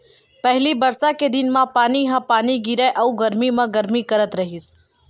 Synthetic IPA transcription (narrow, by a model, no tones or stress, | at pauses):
pɛɦlibɐɾsaked̪ɪnmãpaːniɦãpaːniɡiɾəʔɐuɡɐɾmimãɡɐɾmikɐɾət̪ɾɐɦis